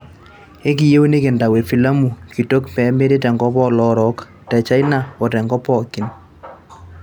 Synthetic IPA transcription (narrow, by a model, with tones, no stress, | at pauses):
e˦k̬i˨je˦o˦ne˦ke˨nda˨we˨fi˨la˦mu˨ki˨to˦kpɛ˨˦me˦ɾe˦tɛ˨ŋɡɔ˦pɔ˦lɔ˦ɾɔ˨˦k | tɛ˨t͡ʃa˦jna˦˨ɔ˨tɛ˨ŋɡɔ˦pɔ˦˨ki˨n